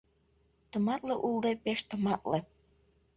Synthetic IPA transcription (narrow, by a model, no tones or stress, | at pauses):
t̪ɤ̆mɑt̪lɤʔulˠd̪epeʃt̪ɤ̆mɑt̪lĕ